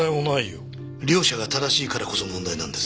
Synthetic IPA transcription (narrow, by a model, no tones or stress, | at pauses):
aionaijo̰ | ɾʲo̞ːɕaɡat̪ad̪aɕiːkaɾako̞so̞mond̪ainã̰nd̪e̞s